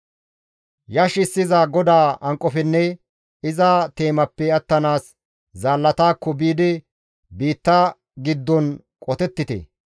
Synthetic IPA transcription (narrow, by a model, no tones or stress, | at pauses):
jɐʃɪsːɪzɐɡɔd̪aːɐŋkʼːɔfɛnːɛ | ɪzat̪e̞ːmɐpːɛɐt̪ːɐnaːs | zaːlːɐt̪aːkːɔbiːd̪ɪ | biːt̪ːɐ | ɡɪd̪ːɔn | kʼɔt̪ɛt̪ːɪt̪ḛ